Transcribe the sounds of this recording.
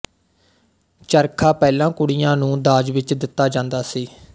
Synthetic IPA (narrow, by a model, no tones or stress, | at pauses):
t͡ʃəɾkʰaːpɛːlãːkʊɽɪijãːnũːd̪aːd͡ʒʋɪt͡ʃd̪ɪt̪ːaːd͡ʒãːnd̪aːsiː